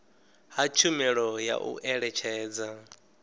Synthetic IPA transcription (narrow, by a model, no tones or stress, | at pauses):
ɦat͡ʃʰumɛɺɔja̰ʔṵʔɛɺɛt͡ʃʰɛːd͡za